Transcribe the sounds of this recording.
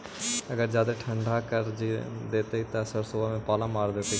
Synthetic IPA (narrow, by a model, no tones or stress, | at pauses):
əɡəɾd͡ʒaːd̪eʈʰə̃ɳɖʱakəɾd͡ʒed̪eːt̪əit̪əsəɾsobʱamẽpaːlãmaːɾd̪et̪ə